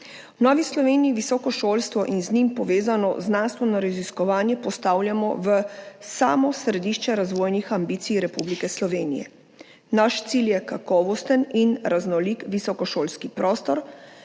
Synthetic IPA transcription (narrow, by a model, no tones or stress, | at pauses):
wnɔʋislɔʋeːnijiʋisɔːkɔʃoːlst̪ʋɔʔinznimpɔʋeːzanɔ̰znanst̪ʋɛnɔɾaziskɔʋaːnjɛpɔst̪aːwlʲjamɔ̰ʋəsaːmɔsɾɛd̪iːʃt͡ʃɛɾazʋoːjnixambit̪sijɾɛpublikɛslɔʋeːnijɛ̰ | naʃt̪siljɛkakɔːʋɔst̪əninɾaznɔlikʋisɔkɔʃoːlskipɾɔst̪ɔɾ